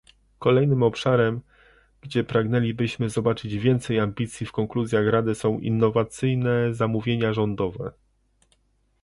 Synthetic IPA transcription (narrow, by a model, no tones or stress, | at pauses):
kɔlɛjnɘmɔpʂaɾɛm | ɡ̥d͡ʑɛpɾaɡnɛlʲibɘɕmɘzɔbat͡ʂɘd͡ʑvʲjɛnt̪sɛjambʲit̪sʲjifkɔŋkluzʲjaxɾad̪ɘsɔ̃w̃ʔḭnːɔvat̪sɘjnɛzamuvʲjeɲaʐɔnd̪ɔvɛ̰